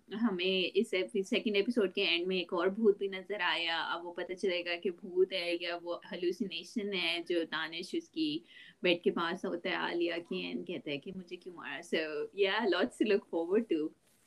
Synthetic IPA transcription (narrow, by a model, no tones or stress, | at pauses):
ɦɐmẽɪsɛsɛkə̃ɳɖeːpɪsoːɖ̚keɛ̃ɳɖmẽeːkɔːɾbʱuːt̪̚bʱinɐzəɾaːjaɐ̰bʋopɐt̪at͡ʃɐleːɡakebʱuːt̪ɦɛjaʋoɦɛluːsɪneːʃənɦɛd͡ʒoːd̪aːnɪʃʊskibɛːʈ̚kepaːsʊt̪əɾa̰ːlijakiɛ̰̃nkɛɦt̪aɦɛkemʊd͡ʒʱekjũːa̰ːɾasoːjalɔːʈsulʊkfɔːɾʋəɖ̚ʈu